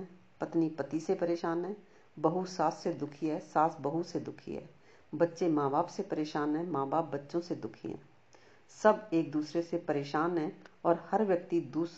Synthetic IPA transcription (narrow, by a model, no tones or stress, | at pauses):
ɛː | pɐt̪nipɐt̪isepɐɾeːʃaːnɦɛ̃ː | bɐɦusaːssed̪ʊkʰiɦɛːsaːsbɐɦut̪sed̪ʊkʰḭɦɛ̰ː | bɐtːʃemãːbaːpsepɐɾeːʃaːnɦɛ̃ːmãːbaːp̚ːɐtːʃõsed̪ʊkʰḭɦɛ̰̃ː | sɐbeːk̚d̪uːsɾesepɐɾeːʃaːnɦɛ̃ːɔːɾhɐɾʋjɐk̚t̪id̪uːs